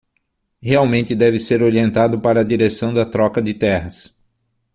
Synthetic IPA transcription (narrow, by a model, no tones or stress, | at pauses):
heawmẽnt̪ɪd̪ɛvɪseɾoɾiẽnt̪ad̪ʊpaɾɐːd̪iɾesɐ̃w̃d̪ɐt̪ɾɔkɐd̪ɪt̪ɛɦɐs